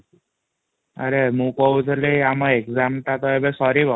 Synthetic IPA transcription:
əɾemũkɔud͡zəleamãekd͡zamʈ̪at̪ɔebesɔɾibʱa

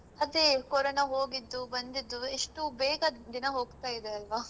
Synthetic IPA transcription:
ɐd̪ekoːɾɐnɐɦoːɡid̪ːubɐnd̪id̪ːueʂʈubɛːɡɐd̪inɐɦoːɡt̪aːjid̪eɐlʋa

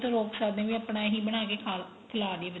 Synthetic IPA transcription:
t̪õːɾoːksaːd̪ẽːʋĩːəpɽãːɦiːbəɽ̃aːk̬eːkʰaː | k̪ʰəlaːd̪ieb

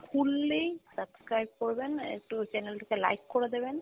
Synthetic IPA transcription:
kʰulːejsəbskɾajb̚kɔɾbenḛk̚ʈut͡ʃɛnelʈikela̰jkːoɾed̪eben

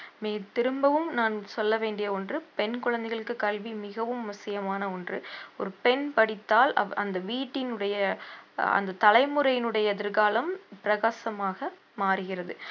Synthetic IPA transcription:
meːlt̪ɪɾɯmbɐʋɯmnaːnsɔlːɐʋeːɳɖɪjɐɔndrɯpɛnkʊɻɐnd̪ɛɪɣɐɭɯkːɯkɐlʋimɪɣɐʋɯmːʊsɪjɐmaːnɐɔndrɯɔɾɯpɛnpɐɽɪt̪ːaːlɐ̰ɐnd̪ɐʋiːʈːɪnɯɽɐjɐ | ɐ̰nd̪ɐt̪ɐlɐɪmɯɾɐjɪnɯɽɐjɐðɪɾɣaːlɐmpɪɾɐɣaːsɐmaːɣɐ | maːɾɯɣɪrɐðɯ

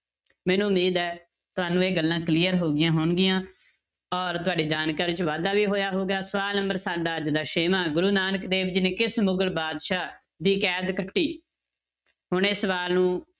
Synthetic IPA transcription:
mɛ̃ːnũːʊmiːd̪ɛː | t̪ʊɦaːnũːeːɡəlːãːkliːəɾɦoːɡɪjãːɦoːɳɡɪjãː | ɔːɾt̪ʊaːɖeːd͡ʒaːnkaːɾɪt͡ʃʋaːd̪aːʋiːɦoːjaːɦoːɡaːsəʋaːlnəmbəɾsaːɖaːəd͡ʒd̪aːʃeːmaːɡʊɾuːnaːnəkd̪eːbd͡ʒiːneːkɪsmʊɡəlbaːd̪ʃaː | d̪iːkɛːd̪kəʈːiː | ɦʊɳ̃eːsəʋaːlnũː

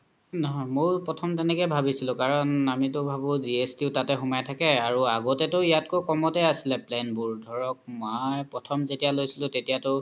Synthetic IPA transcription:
nɔɦɔmoɹpɹɔtʰɔmtɛnɛkɛjbʱabisilʊ̃kaɹɔnamitʊbʱabʊziestiʊtatɛxumajtʰakɛaɹuaɡɔtɛtʊijatkokɔmɔtɛasilɛplɛnbuɹdʱɔɹɔk̚mɔjpɹɔtʰɔmzetijalojsilʊ̃tetijatʊ

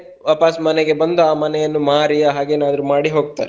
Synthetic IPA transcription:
ʋɐːpaːsmɐnɛɡe̞bɐnd̪uaːmɐnɛjɐnːumaːɾiɐɦaːɡeːnaːd̪ɐɾumaːɽiɦo̞ːɡ̚t̪a̰ːɾe

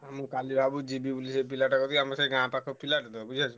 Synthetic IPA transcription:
amukalibʱabud͡ʒibibulisepilaʈakɔt̪iamaseɡãpakʰɔpilaʈd̪ɔbud͡ʒiat͡ʃʰi

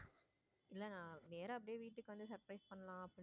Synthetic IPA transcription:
ɪlːɐnãːneːɾɐɐp̬ːɐɽɪjeːʋiːʈːɯkːɯʋɐnd̪ɯsɐɾpɾɐɪspɐɳːɐlãːɐpːɽ

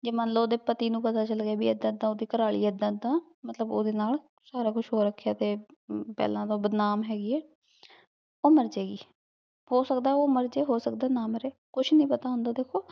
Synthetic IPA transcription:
d͡ʒeːmənləboːd̪eːpət̪iːnũːpət̪aːt͡ʃəlɡaːbiːɛd̪ãːɪd̪ãːod̪iːkəɾaːɭḭːɛd̪ːãːd̪ãː | mət̪ləboːd̪eːnaːl | saːɾaːkʊt͡ʃʰɦoːɾəkʰːejaːt̪eːpɛ̰ːlãːt̪õːbəd̪naːmɦɛːɡiːɛː | oːməɾd͡ʒeːɡiː | hoːsəkd̪aːɛoːməɾd͡ʒeːɦoːsəkd̪aːnaːmɾeː | kʊʃʰnĩːpət̪aːʊ̃nd̪aːd̪eːkʰoː

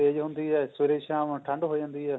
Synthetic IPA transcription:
eːd͡ʒɦʊ̃nd̪iːɦɛːsʋeɾeːʃãːʋ̃ʈʰə̃ɳɖɦoːd͡ʒãːnd̪iːɦɛː

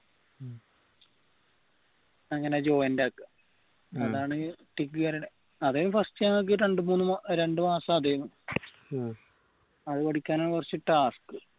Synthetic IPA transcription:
ɐŋːɐnet͡ɕo̞ːjɐndaːkːɨ | ɐðaːɳɨʈikːɨɣɐɾiɽe | ɐðejɐmfɐstijaŋok̬ːiɾe̞ɳɖɨmuːnːɨmaɾe̞ɳɖɨmaːsɐːd̪ʱɐjɐm | ɐðɨʋɐɽikʲːaːnaːɳɨʋɐrt͡ɕːiʈːaːskɨ

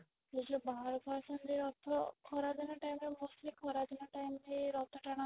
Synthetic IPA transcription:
ed͡ʒubaɦaɾbʱaɾsɔnd̪iɾɔt̪ʰːɔkʰɔɾad͡ʒɔnɔʈajmemosʈlikʰɔɾad͡ʒɔnɔʈajmd̪iɾɔt̪ʰːɔʈaɽ̃a

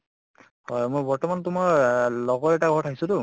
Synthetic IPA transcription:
hɔjmojbɔɹtɔmantumɔlɔɡɔɹɛʈaɡʱɔɹtʰakisʊtʊ

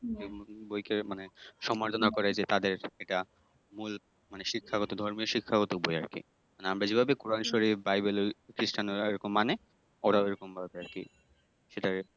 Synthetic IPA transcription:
ebojkemaneʃɔmaɾt̪ʰonakɔɾed͡ʑet̪ad̪eɾeʈa | mul | maneʃikʰːaɡɔt̪od̪ʱɔɾmioʃikʰːaɡɔt̪oboja̰ɾkḭ | maneamɾad͡ʑebʱabekoɾanʃoɾifbajbelokɾiʃʈanoeɾokomːane | ɔɾaeɾɔkombʱabeaɾkḭ | ʃeʈa

